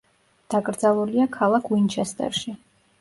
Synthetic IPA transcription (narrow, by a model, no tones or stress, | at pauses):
d̪̥akʼɾd̪zalˠuliakʰalˠakʰwint͡ʃʰɛst̪ʼɛ̰ɾʃi